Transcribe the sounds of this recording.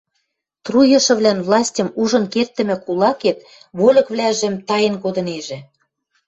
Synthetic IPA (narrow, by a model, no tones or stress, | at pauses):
t̪rujɤ̆ʃɤ̆βlænvlˠɑsʲtʲɤ̆muʒɤ̆nkert̪ːə̆mɘ̆kulˠɑket̪ | βolʲɤ̆kβlʲæʒĕmt̪ɑjə̆nkod̪ɤ̆neʒĕ